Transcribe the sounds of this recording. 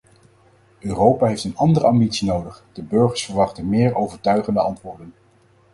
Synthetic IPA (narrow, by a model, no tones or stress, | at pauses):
ʔøːrowpaːɦejftənɑndərəɑmbitsinowdəχd̥əbɵɹχəɹsfəɹʋɑχtənmɪːɹowvəɹtœɥχəndəɑntʋʊːɹdən